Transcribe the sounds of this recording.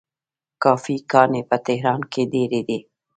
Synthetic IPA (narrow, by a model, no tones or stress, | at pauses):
kɑːfikɑːnepət̪eɦɾɑːnked̪eːɾed̪e